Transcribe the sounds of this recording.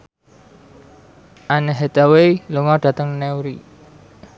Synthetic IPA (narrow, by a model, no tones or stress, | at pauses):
ʔanəɦet̪aweluŋɔɖ̥ä̤t̪əŋnɛwɾi